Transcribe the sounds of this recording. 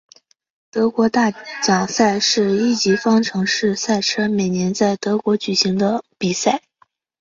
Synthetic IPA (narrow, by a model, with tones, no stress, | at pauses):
t̪ɤ˧˥kwɔ˧˥t̪a˥˩t͡ɕjɑ˨˩ŋsa˥˧ɪʂɻ̩˥˧i˥˩t͡ɕi˧˥fɑ˥ŋʈ͡ʂʰɤ˧˥ŋʂɻ̩˥˧sa˥˩ɪʈ͡ʂʰɤ˥me˨˩ɪnjɛ˧˥nt͡sa˥˩ɪt̪ɤ˧˥kwɔ˧˥t͡ɕy˨˩ɕi˧˥ŋd̪ə˧pi˨˩sa˥˩ɪ